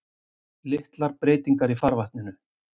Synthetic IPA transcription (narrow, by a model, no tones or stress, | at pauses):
lɪht̪laɾpɾeːjt̪iŋkaɾifaɾvaht̪nɪnʏ